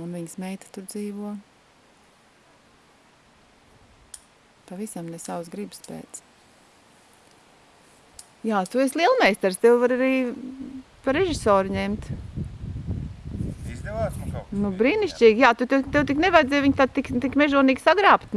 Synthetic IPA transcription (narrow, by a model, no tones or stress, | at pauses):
unviɲsmɛjt̪ḁt̪uɾd̪ziːʋuɔ | pavisamnɛsawsɡɾibspɛ̰ːt̪s | jaːt̪uɛslˠiɛlˠmɛjst̪ɛɾst̪ewvaɾaɾiː | paɾɛʒisɔːɾɲɛmt̪ | izd̪ɛvaːsknubɾiːniʃt͡ʃʲiːɡʲjaːt̪ut̪ɛt̪ɛwt̪̬iknɛvajd̪zʲɛjʋiɲt̪ad̪̚t̪ikt̪ikmɛʒuɔniːɡsaɡɾaːpt̪